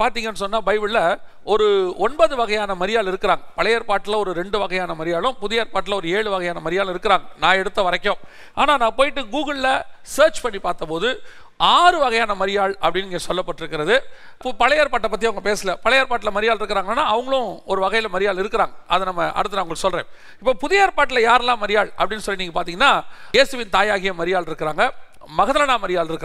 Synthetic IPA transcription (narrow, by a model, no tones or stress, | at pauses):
paːɾt̪iːŋɡɐnːɯs̬ɔnːaːbɐɪbɪɭːɐ | ɔɾɯɔɳbɐðɯʋɐɣɐjaːnɐmɐɾɪjaːlɪɾɯkːɯɾaːŋɡɐpɐlɐjaːɾpaːʈːɪlɐɔɾɯɾɛɳɖɯʋɐɣɐjaːnɐmɐɾɪjaːlʊ̃pʊðɪjaːɾpaːʈːɪlɐɔɾɯeːɭɯʋɐɣɐjaːnɐmɐɾɪjaːl̃ɪɾɯkːɯɾaːŋɡɐnãːɛɽɯt̪ːɐʋɐɾɐkːõː | a̰ːnaːnãːpoːjɪʈːɯɡuːɣɐɭlɐsɐːɾt͡ʃpɐɳːipaːɾt̪ɐpoːðɯ | aːɾɯʋɐɣɐjaːnɐmɐɾɪjaːɭɐpːɐɽɪnɪŋɡesɔlːɐpːɐʈːɪɾɯkːɪɾɐðɯ | pɐlɐjaːɾpaːʈːɐpːɐt̪ːiɐʋɐŋɡɐpeːsɪlɐpɐlɐjaːɾpaːʈ̬ːɪlɐmɐɾɪjaːlɪɾɯkːɯɾaːŋɡɐnːaːɐʋɐŋɡɐɭʊ̃ɔɾɯʋɐɣɐjlɐmɐɾɪjaːlɪɾɯkːɯɾaːŋɡɐɐðɐnɐmːɐʔɐ̰ɽɯt̪ːɯnaːɐŋɡɐɭsɔlrḛ̃ː | ɪpːoːpʊðɐjaːɾpaːʈːɪlɐjaːɾɛlːãːmɐɾɪjaːɭɐpːɐɽɪnːɯsɔlːiniːŋɡɐpaːɾt̪iːŋɡɐnːaːjeːsɯʋɪnt̪aːjaːɣɪjɐmɐɾɪjaːɭɪɾɯkːɪɾaːŋɡɐ | mɐɣɐðɐlɐnãːmɐɾɪjaːlɪɾɯkːɾ